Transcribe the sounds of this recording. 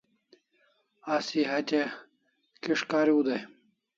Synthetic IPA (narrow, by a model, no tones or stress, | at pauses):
asiɦɐt̪e | kiʂkaːɾiud̪ɐj